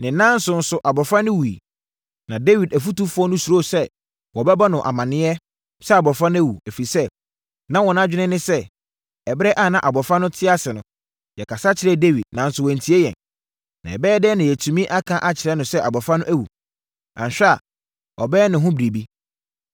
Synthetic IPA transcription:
nɪ̃˨nã˦n̩˦sʊ˦n̩˦sʊ˦ʔa˨bɔ˨fɾã˦nʊ̃˦wu˨ḭ˨ | nã˨de˦wi˨dæ˨fu˦tu˦fʊ˦ɔ˦nʊ̃˦su˨ɾo˦˨sɛ˦ | wɔ˨bɛ˦ba˦nʊ̃˨ʔa̰˨mã˨nɪ̃˦ɛ˦ | sɛ˦a˨bɔ˨fɾã˦nʊ̃˦æ˦wu˨æ˨fi˨sɛ˦ | nã˦wɔ̃˨na˦d͡ʑᶣɪ˦nɪ̃˦nɪ̃˦sɛ˦ | ɛ˨bɪ˦ɾɛ˦ʔa˦˨nã˨ʔa˨bɔ˨fɾa˦nʊ̃˦tʰɪ˦a˦sɪ˨nʊ̃˨ | jɛ˨kʰa˨sa˦t͡ɕʰɪ˨ɾɛ˦de˦wi˨d̚nã˨n̩˦sʊ˨wɔ˨n̩˨tʰi˨˦e˦jɛ̰̃˨n | nã̰˨ɛ˨bɛː˦dɛː˦nɪ̃˨jɛ˨tʰũ˨mĩ˦ʔa˦kʰã˦ʔa˦t͡ɕʰɪ˨ɾɛ˦nʊ̃˨sɛ˦ʔa˨bɔ˨fã˦nʊ̃˦ʔæ˦wṵ˨ | ã˨ɕᶣa˨ | ɔ̰˨bɛː˦nɪ̃˨ɦʊ̃˦bɾi˨bi˦

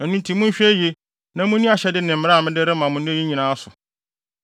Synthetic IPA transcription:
ɛ˨nũ˦n˦tʰĩ˨mũ˦ɕᶣe˦je˦ | nã˦mʊ̃˦nĩ˦a˨ɕɛ˦dɪ˦nɪ̃˨m̩˨˦ɾa˦˨mɪ̃˦dɪ˦ɾɪ˦mã˨mʊ̃˦nĩ˦e˦i˦ɲĩ˨nãː˨˦sʊ˨

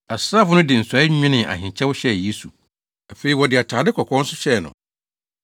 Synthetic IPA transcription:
a˨sɾa˦˨fʊ˦nʊ̃˦dɪ˨n̩˨sa˨˦ɪ˦ɪ̃˦nɪ̃˨ʔa̰˨ɦɪ̃˨ɲ˨t͡ɕʰɛ˦wʊ˦ɕɛ˦˨je˦su˨ | a˨fe˨˦i˨wɔ˨dɪ˨a˨tʰaː˨dɪ˦kʰɔ˨kʰɔ̃˦n̩˦sʊ̥˦ɕɛ˦˨nʊ̰̃˨

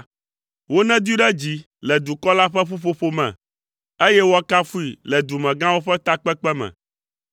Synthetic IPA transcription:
wo˦nɛ̃˦d̪u˦i˦ɖɛ˦d͡ʑi˦ | lɛ˨d̪u˨kɔ˦la˦ɸɛ˦ɸu˦ɸo˦ɸo˦mɛ̰̃˨ | e˦jɛ˦wo˦a˦ka˦fu˦i˨lɛ˨d̪u˨mɛ̃˨ɡã˦wo˦ɸɛ˦t̪a˦k͡pɛ˦k͡pɛ˦mɛ̰̃˨

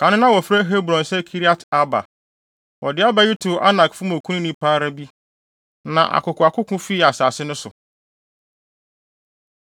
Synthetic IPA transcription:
kʰã˨˦nɪ̃˦nã˦wɔ˨fɾæ˦ɦe˦bɾɔ̃˨n˨sɛ˦kʰi˦ɾi˦a˦tʰa˦ba̰˨ | wʔɔ˨dɪ˦a˦ba˦ji˦tʰu˨a̰˦na˨kfʊ˦mõ˨kʰũ˦nĩ˦nĩ˦pʰaː˦ɾa˦bi˦ | nã̰˨ʔa̰˨kʊ˨kʰʊ˨a˨kʰʊ˦kʰʊ̃˦fi˦˨a˨saː˨sɪ˦nʊ̃˦sʊ̰˨

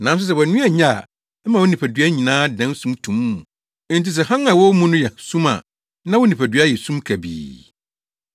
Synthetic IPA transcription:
nã˨˦n˦s̬ʊ˦s̬ɛ˨wɔ˨nũ˦a˨ɲa˦˨ | ɛ˦mã˨wɔ˦nĩ˨pʰæ˨dɥa˦ɲĩ˨nãː˦dã˨˦n˦sũ˦mtʰũ˨˦m̃˦˨ | n̩˦ti˦s̬ɛ˨hã˦nã˨wɔ˦mũ˦nʊ̃˦jɛ˨sũ˦ma̰˨ | nã˦wɔ˦nĩ˨pæ˨dɥa˦jɛ˨sũ˦mkʰæ˨bḭː˨

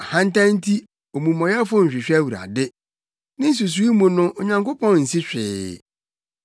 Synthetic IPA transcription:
a˨hã˦n̩˦tã˦n̩˦tʰi˦ | o˨mũ˨mɔ̃˨jɛ˦fʊ˦ɲ̩˨ɕᶣɪ˨ɕᶣæ˦wu˨ɾa̰˨dɪ˦ | nɪ̃˦n̩˦s̬u˨s̬u˨˦i˦mũ˨nʊ̃˦ʔo˨ɲã˨ŋkʊ˦pʰɔ̃˦n˨n̩˨si˦ɕᶣɪ̰ː˨

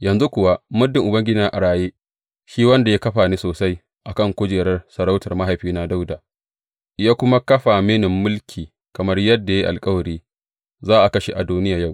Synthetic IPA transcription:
jɐ˨nzu˦kʷʊ˨wa˦mʊ˦dɪ˨ŋʔʊ˨bɐ˦ŋɡʲɪ˦na˦ʔa˨ɽaː˨jeː˦ | ʃiː˦wɐ˦nda˨ja˦kɐ˦ɸaː˨ni˦soː˨sa˦j | ʔa˨kɐ˦˨ŋkʷʊ˦d͡ʒeː˨ɾɐ˦rsɐ˨ɾa˦wtɐ˨rma˦ɦa˨jɸiː˦na˦da˦wdaː˨ | ʔɪ˨jaː˦kʷʊ˦ma˦kɐ˦ɸa˨me˦nɪ˨mːʊ˦lkʲʰiː˨ | kɐ˨mɐ˦rjɐ˦dːa˨ja˦ʔa̰˨lkʼɐ˦wɐ˨ɽiː˦ | zaː˦ʔa˨kɐ˦ʃe˨ʔa˨duː˦nɪ˦jaː˨ja˦˨w

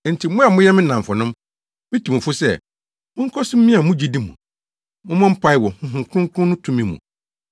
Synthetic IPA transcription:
n̩˨tʰi˨mʊ̃˦a˨mʊ̃˦jɛ˦mɪ̃˦nã˨m̩˨fʊ˨nʊ̃˦m | mɪ̃˦tʰi˨mũ˨fʊ˦sɛ̰˦˨ | mʊ̃˦ŋ̩˦kʰɔ˦sɪ˦m̩˦ĩ˦a˨mʊ̃˦d͡ʑi˦di˦mṵ̃˨ | mʊ̃˦mɔ̃˦m̩˦pʰa˦ɪ˦wɔ˨hʊ̃˦ɦʊ̃˨ŋ˨kʰʊ̃˦ŋ˦kʰʊ̃˦nʊ̃˦tʰũ˦mĩ˨mṵ̃˨

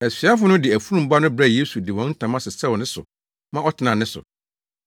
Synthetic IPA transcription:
ɛ˨sɥa˦fʊ˦nʊ̃˦dɪ˨æ˨fu˦ɾũ˦˨m˨˦ba˦nʊ̃˦bɾæ˦˨je˦su˨dɪ˨wɔ̃˨˦n̩˦tʰã˨mã˦sɪ˨sɛ˦wɔ˨nɪ̃˦sʊ̰˨ | mã˦ɔ˦tʰɪ˨nã˨nɪ̃˦sʊ̰˨

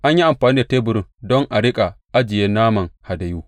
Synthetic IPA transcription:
ʔa˦ɲji˦ʔa˨mɸaː˨niː˦da˨teː˦bʊ˨ɾɪ˦˨ŋdɔ˦ŋʔa˨ɽɪ˦kʼa˨ʔa˦d͡ʒɪ˨jeː˦naː˦mɐ˨ŋha˨da˨juː˦

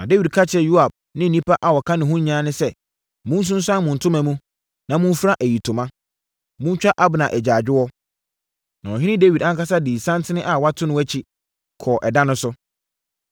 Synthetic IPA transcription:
nã˨de˦wi˨d̚kʰa˦t͡ɕʰɪ˦ɛ˨ju˦a˨b̚ | nɪ̃˦n̩˨nĩ˦pʰa˦ʔa˨wɔ˨kʰã˦nɪ̃˨ɦʊ̃˦ɲ˦ɲãː˦nɪ̃˦sɛ˦ | mʊ̃˦n˦s̬ʊ̃˦n˦sã˦nmʊ̃˨n̩˨tʰʊ̃˦mã˨mũ˦ | nã˨mʊ̃˦n˦fɾa˦ʔæ˨ji˨tʰʊ̃˨mã˦ | mʊ̃˦n˦t͡ɕᶣa˦ʔa˦bnã˨ʔæ˨d͡ʑaː˨d͡ʑᶣɪ˦wɔ˦ | nã˨ɔ˨ɦɪ̃˦nɪ̃˦de˦wi˨dã˨˦ŋ˦ka˦s̬a˦diː˨sã˦ntʰɪ˦nɪ̃˦ʔa˨wa˦tʰʊ˦nʊ̃˦æ˦t͡ɕʰi˦ | kʰɔː˨ʔɛ˨dã˦nʊ̃˦sʊ˦

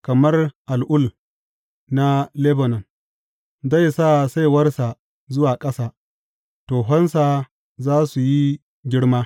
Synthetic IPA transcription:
kɐ˨mɐ˦rʔa˨lʔʊ˦l | na˦le˦bo˨nɐ˨n | za˦˨jsaː˦sa˦jwɐ˦rsa˨ | zʊ˦waː˨kʼɐ˦saː˦ | toː˨ɦɔ˦nsa˨ | zaː˦su˨ji˦ | ɡʲɪ˦ɽmaː˦

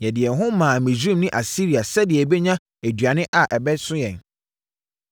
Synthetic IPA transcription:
jɛ˨dɪ˨ɛ˨ɦʊ̃˦mːãː˨mɪ̃˨d͡ʑũ˦mnɪ̃˦ʔa˨si˦ɾi˨a˨sɛ˦dɪ˨ɛ˨be˦ɲã˦ | æ˨dɥa˨nɪ̃˦ʔa˨ʔɛ˨bɛ˦sʊ̃˦jɛ̃˨n

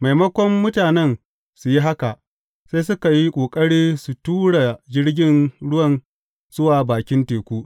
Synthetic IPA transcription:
ma˨jmɐ˦kʷɔ˦mːʊ˦taː˨nɛ˦n | su˨ji˦ɦa˦ka˨ʔ | seː˦jsʊ˦ka˨ji˦kʷʼoː˨kʼɐ˦ɽiː˦su˨tuː˦ɽa˨d͡ʒɪ˦ɽɡʲɪ˦nɽʊ˦wɐ˦˨n | zʊ˦waː˨baː˨kʲɪ˦nteː˨kʷuː˦

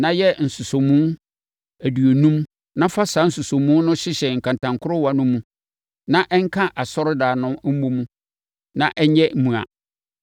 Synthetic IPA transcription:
nã˦jɛ˦n̩˨sʊ˨so˨mũ˦ | æ˨du˨o˨nũ˦m | nã˦fa˦sa˦n̩˦sʊ˨so˨mũ˦nʊ̃˦ɕɪ˦ɕɛ˨ŋ̩˨kʰã˨ntʰã˨ŋkʰʊ˦ɾʊ˦wa˨nʊ̃˦mũ˦ | nã˦ʔɛ˦ŋ̩˦kʰã˦ʔa˨sɔ˦ɾʊ˦daː˨nʊ̃˦m̩˦mo˦mũ˦ | nã˦ʔɛ˦ɲ˦ɛ˦m̩˦mũ˨a̰˨

